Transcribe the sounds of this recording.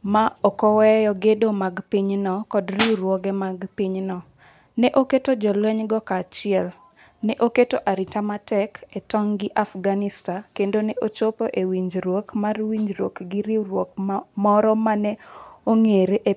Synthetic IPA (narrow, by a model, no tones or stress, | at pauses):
maɔkɔwɛjɔɡedomaɡpiɲnɔkɔdriwɾwɔɡɛmaɡpiɲnɔ | nɛʔoketod͡ʒɔlwɛɲɡɔkaːt͡ʃɪɛl | nɛʔoketoʔaɾitamatɛketɔŋɡɪʔafɡanɪstakendonɛʔot͡ʃopoʔewiɲd͡ʒɾwokmarwiɲd͡ʒɾwokɡɪɾiɾwokmɔɾɔmanɛoŋeɾeʔe